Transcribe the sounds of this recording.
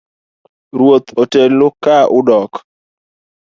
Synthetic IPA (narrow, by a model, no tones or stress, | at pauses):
ɾwot̪otelːʊkːaʔʊdɔk